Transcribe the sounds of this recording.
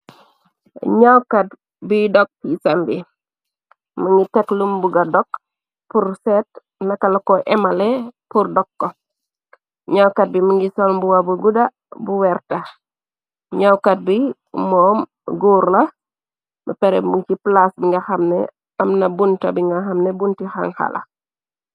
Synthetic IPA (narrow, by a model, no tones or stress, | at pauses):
ɲawkɐt̚ | budɔk̚ːisɐmbi | mɐŋɡitɛklumbuɡɐdɔk | pursɛt | nɐkːɐlɐkɔʔɛmɐlɛpurdɔkːɔ | ɲawkɐt̚bimɐŋɡisɔlmbuwɐbuɡudɐ | buwɛrtɐ | ɲawkɐt̚bi | mɔːm | ɡuːrlɐ | bɐpɛɾɛ̰muciplasbiŋɡɐxɐmnɛ̰ | ɐmnɐbuntɐ̰biŋɡɐxɐmnɛbuntixa̰ŋxɐ̰lɐ̰